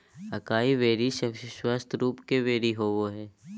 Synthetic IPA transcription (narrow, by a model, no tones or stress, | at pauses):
ɐkaːiʋeːɾiʃɐʃwaːst̪ʰɾuːpkeʋeːɾiɦoːʋoɦɛː